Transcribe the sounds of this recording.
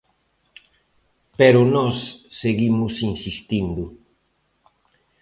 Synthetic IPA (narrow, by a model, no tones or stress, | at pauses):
peɾʊnɔsːeɣimʊsinsist̪ind̪ʊ